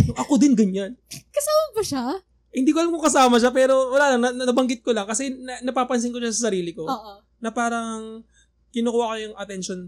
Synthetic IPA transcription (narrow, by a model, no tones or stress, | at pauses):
oŋʔɐkod̪ɪnɡɐɲankɐsaːmɐkɐʃa | hɪnd̪iːkoʔɐlamkoŋkɐsaːmɐʃ̬apɛːɾo̞wɐlaːlɐŋnɐnɐnɐbɐŋɡɪt̪̚kolɐŋkɐsɛnɐnɐpaːpɐns̬ɪŋko̞ʃasɐsɐɾiːlɪko̞ːʔo | nɐpaːɾɐŋ | kɪnokuːwakojʊŋɐt̪ɛnʃon